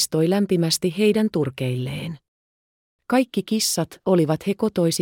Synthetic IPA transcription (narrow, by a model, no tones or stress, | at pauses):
st̪o̞jlæmpimæst̪iɦe̞jdænt̪urke̞jlːe̞̰ːn | kɑjkːikisːɑt̪o̞liʋɑt̪he̞ko̞t̪o̞js